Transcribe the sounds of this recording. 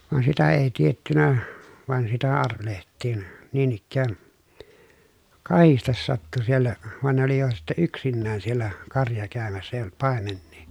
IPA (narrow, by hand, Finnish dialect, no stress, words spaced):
ʋɑn sitæ eˑi tietːynæ ʋɑˑi̯n ɑrʋelehtˑiːn niːn ikːæːn kɑhistes sɑtːu sielːæ ʋɑn ne oli jo sitːe yksinːæːn sielˑæ kɑrjɑ kæˑømæsːæ eˑij olt pɑˑemenːiː